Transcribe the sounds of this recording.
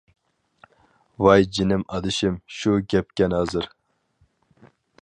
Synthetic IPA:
vɑjd͡ʒinɪmɑd̪ɨʃɪmʃuɡʲɛp̚kʲɛnɑzɨɾ

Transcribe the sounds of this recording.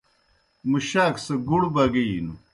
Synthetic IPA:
muɕaːksɐɡuɽbɐɡinu

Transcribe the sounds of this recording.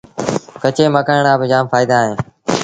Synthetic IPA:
kət͡ʃeːməkəːɳaːbɪd͡ʒaːmfaːɪid̪aːɦẽː

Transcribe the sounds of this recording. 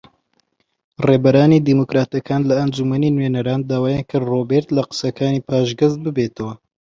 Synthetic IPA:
reːbɐɾaːniːd̪iːmokɾaːt̪ɐkʰaːnlɐːnd͡ʒumɐniːnweːnɐɾaːnd̪aːwaːjankʰɨɾroːbeɾt̪lɐqɨ̥sɐkʰaːniːpʰaːʒɡɐzt̪̚bɨbeːt̪ʰɐwɐ

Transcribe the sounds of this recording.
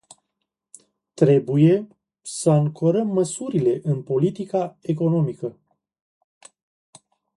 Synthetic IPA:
t̪ɾe̞buje̞ | səɨŋkʰo̞ɾəmːəsuɾile̞ʔɨnpo̞lit̪ikae̞ko̞no̞mikə

